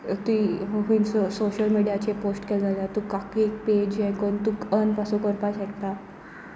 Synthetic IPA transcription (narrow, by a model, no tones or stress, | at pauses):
t̪uiɦinssoɕəlmiɽjat͡ɕeposʈkeld͡zalat̪ukakik̚ped͡ʑɛ̃kont̪ukənpasukɔɾpaɕek̚t̪a